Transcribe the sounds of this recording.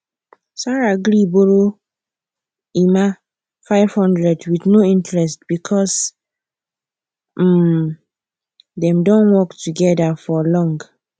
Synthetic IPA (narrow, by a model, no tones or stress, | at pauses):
saɹaɡɾiboɹo | ima | faɪv̥hɔ̃ndɹɛdwiθnoĩntɹɛstb̥ikʰɔs | dɛ̃mdõnwɔktuɡɛdafɔlɔ̃ŋɡ